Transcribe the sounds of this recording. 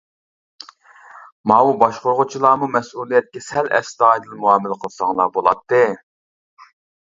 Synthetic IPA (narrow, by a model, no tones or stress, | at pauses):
mɑubɑʃqoɾʁʊt͡ʃʰilˠɑːmumɛsulˠijɛt̪̚kʲɛsɛlʔɛ̰st̪ɑːjd̪ɨlmuɑːmɪlqʰəlˠsɑŋlˠɑbolˠɑt̪ʰːɨ